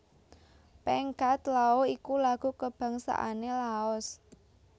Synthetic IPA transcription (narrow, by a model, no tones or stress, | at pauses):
pɛŋkat̪laoikulaɡ̥ṳkəb̥ä̤ŋsa̰ʔa̰nelaɔs